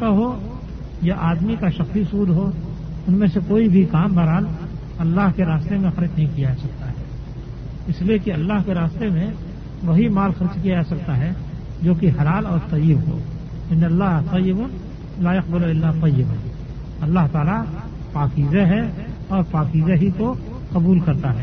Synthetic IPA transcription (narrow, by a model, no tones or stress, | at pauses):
kaɦoː | jaʔaːd̪mikaʃɐxsiʊsuːd̪ɦoː | ʊnmẽsekoːibʱikaːmbʱaɾaːl | ɐlːaɦkeɾaːst̪emẽxɐɾɪt͡ʃnɐɦĩkijad͡ʒaːsɐk̚t̪aɦɛː | ɪsliekiɐlːaɦkeɾaːst̪emẽ | ʋɐɦimaːlxɐɾt͡ʃkijad͡ʒaːsɐk̚t̪aɦɛ | d͡ʒoːkiɦɐlaːlɔːɾt̪ɐjɪbɦo̰ː | ɪ̃nɐlːaɦt̪ɐjːɪbʊn | laːjɐq̚bɪlɪlːaːt̪ɐjːɪbʊ̰n | ɐlːaɦt̪aːla | paːkiːzeɦɛ | ɔːɾpaːkiːzeɦiko | qɐbuːlkɐɾt̪aɦɛː